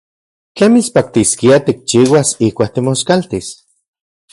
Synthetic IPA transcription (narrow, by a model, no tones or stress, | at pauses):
t͡ɬemit͡spak̚t̪iskiat̪ik̚t͡ʃiːwasihkʷaːk̚t̪imoskalt̪is